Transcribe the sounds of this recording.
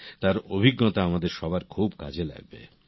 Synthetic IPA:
t̪aɾobʱiɡːot̪aamad̪eɾʃɔbaɾkʰubka̰d͡ʑʱela̰ɡ̚bḛ

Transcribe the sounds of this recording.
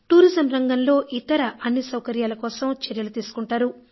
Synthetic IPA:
ʈuːɾizɐmɾɐŋɡɐnlo̞ːʔit̪ɐɾɐʔɐnːisɐwkɐɾjaːlɐkɔːsɐmt͡ʃɐɾjɐlut̪iːsu̥kuɳʈaːɾu

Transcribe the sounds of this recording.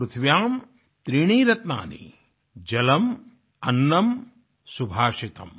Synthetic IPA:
ɾut̪ʰʋjaːm | t̪ɾiːɳ̃iːɾɐt̪na̰ːnḭ | d͡ʒɐlɐm | ɐnːɐm | subʱaːʂit̪ɐm

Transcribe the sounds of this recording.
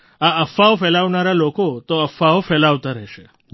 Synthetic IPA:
aəfaofɛlaʋnaɾalokot̪oəfaofɛlaʋt̪aɾəɦʃe

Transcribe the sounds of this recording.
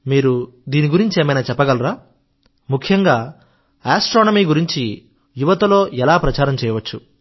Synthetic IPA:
miːɾu | d̪iːniɡuɾiɲt͡ʃie̞ːmɐjnaːt͡ʃɛpːɐɡɐlɾaː | mukʰjɐŋɡaː | aːsʈɾoːnɐmiːɡuɾiɲt͡ʃi | juʋɐt̪ɐlo̞ːɛlaːpɾɐt͡ʃaːɾɐmt͡ʃɛːjɐʋɐt͡ʃːu

